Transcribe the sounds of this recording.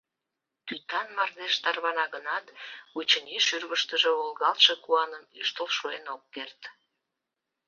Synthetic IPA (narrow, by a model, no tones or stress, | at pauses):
t̪yt̪ɑnmɑrd̪eʃt̪ɑrβɑnɑɣənɑt̪ut͡ɕəniʃyrβəʃt̪əʒeolɣɑlt̪ʃekuɑnəmyʃt̪əlʃuenokːert̪